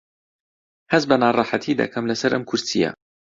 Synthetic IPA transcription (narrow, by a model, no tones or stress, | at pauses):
hɐzbɐnɑːrˤɑːħat̪ʰiːd̪ɐ̰kʰɐmlɐsɐɾʔɐmkʰʊɾsijɐ̰